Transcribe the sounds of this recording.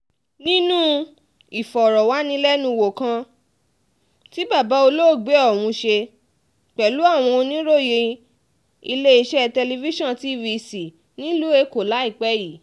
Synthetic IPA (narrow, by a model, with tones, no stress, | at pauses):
nĩ˦nũ˦ | i˨fɔ˨ɾɔ˨wa˨˦nĩ˦lɛ˦nũ˧wo˨kã˧˦ | ti˦ba˦˨ba˨˦o˧lo˦˨ɡ͡be˨˦ɔ˦˨w̃ũ˧ʃe˧ | k͡pɛ˨lu˨˦a˦˨w̃ɔ̃˧o˧nĩ˦ɾo˦˨je˧ | i˧le˦i˧ʃɛ˦˧tɛ˧li˧vi˦ʃɔ̃˦˨ti˨˦vi˧si˨ | nĩ˦lu˦e˧ko˨la˨˦i˦˨k͡pɛ˦ji˨